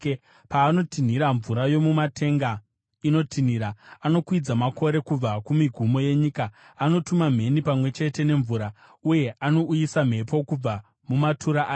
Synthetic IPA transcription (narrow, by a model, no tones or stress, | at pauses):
paːno̞tin̤iɾaɱvuɾajo̞mumatʰe̞ŋɡa | ino̞tʰiniɾaano̞kwid͡zamako̞ɾe̞kub͡vakumiɡʱumo̞je̞ɲikaːno̞tumam̤e̞nipamwe̞t͡ʃe̞te̞ne̞ɱvuɾa | uje̞ʔano̞ʔujisam̤e̞po̞kub͡va | mumatʰuɾaʔaːj